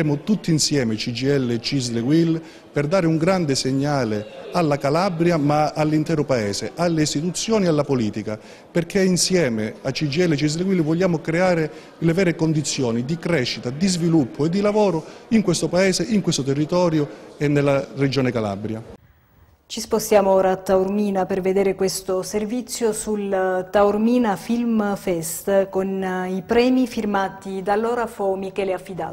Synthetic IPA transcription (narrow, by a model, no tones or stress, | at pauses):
ɛːmʊt̪ut̪ːinsjɛːmet͡ʃid͡ʒiɛlːet͡ʃizleɡwil | perd̪aːɾɪuŋɡɾand̪ɪseɲːaːlealːakalabɾjamaalːint̪ɛːɾʊpaɛːseʔalːeist̪it̪ut̪sːjɔːnialːapoliːt̪ika | perkʰeinsjɛːmeat͡ʃːid͡ʒiɛlːet͡ʃiz̬leɡwilvoʎːaːmʊkɾeaːɾe | levɛːɾekond̪it̪sːjɔːnid̪ikɾɛʃːit̪ad̪izvilupʰːʊed̪ːilavɔːɾʊiŋkwest̪opaɛːseʔiŋkwest̪ot̪erːit̪ɔːɾjoenːelːared͡ʒoːnekala̰bɾja | t͡ʃispost̪jaːmooːɾaːt̪ːaurmiːnaperved̪eːɾekwest̪oservit̪sːjosult̪aurmiːnafilmfɛst̪konipɾɛːmifirmaːt̪id̪alːoːɾafomikɛːleafːid̪a̰ː